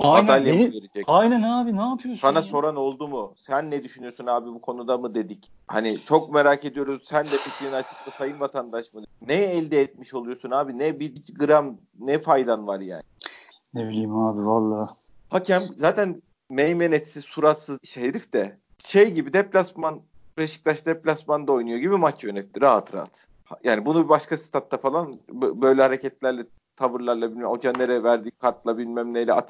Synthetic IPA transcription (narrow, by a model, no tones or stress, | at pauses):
aanalʲjaveɾed͡ʒɛcajnænaːbinaːpʰɯjosanaso̞ɾano̞lˠd̪umusænːɛd̪yʃynyjo̞sunaːbibukʰo̞nud̪amɯd̪e̞d̪ic | ha̰nit͡ʃʰo̞k̚me̞ɾaːked̪ijo̞ɾuzsænd̪ɛficʰiinat͡ʃʰɯ̥k̚t̪ʰasajɯnvat̪ʰand̪aʃmɯnɛɛlʲd̪ɛɛt̪̚miʃo̞lˠujo̞sunaːbinɛbiit͡ʃɡɯɾam | nɛfajd̪anvaɾja̰ːnɪ | nebilʲiːmaːbivalˠːaː | hacʰɛmzaːt̪ʰæn | mejmenɛt̪sizsuɾat̪sɯzʃheɾift̪ɛ | ʃejɟibid̪ɛplʲasmanpɾeʃi̥klʲˠaʃd̪ɛplʲasmand̪ao̞jnujo̞ɟibimat͡ʃjø̞nɛt̪ːiɾaɦat̪ɾa̰t̪ | hajaːnibunubibaʃkasɯ̥t̪ʰat̪ːafalˠanbbø̞jlʲɛhaɾecɛt̪lʲæɾlʲɛ | t̪ʰavɯɾlˠaɾlˠabilʲmɛo̞d͡ʒanːeɾɛvæɾd̪iːkʰaɾt̪lˠabilʲmæmlʲejlʲɛa̰t̪ʰ